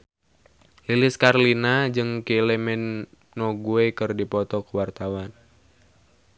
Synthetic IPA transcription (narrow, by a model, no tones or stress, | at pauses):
lilɪskarlinad͡ʒɨŋkelɛmɛnː | ɔɡuekɨrdipɔt̪ɔkəwart̪awan